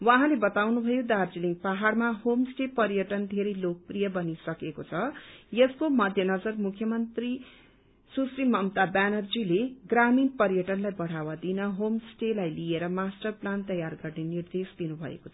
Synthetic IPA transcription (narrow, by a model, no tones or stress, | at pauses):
wãɦãlebʌt̪awnubʱʌjod̪ard͡ziliŋɡpaɦarmaɦomsʈepʌrjʌʈʌnd̪ʱeɾʌjlok̚prijʌbʌnisʌkekot͡sʰʌjʌskomʌd̪ʱjʌnʌd͡zʌrmukʰjʌmʌnt̪ri | susrimʌmt̪abanʌrd͡zileɡraminpʌɾjʌʈʌnlajbʌɽ̤awad̪inʌɦomsʈelajlieɾʌmasʈʌrplant̪ʌjarɡʌrnenird̪esd̪inubʱʌ̰ḛkot͡sʰʌ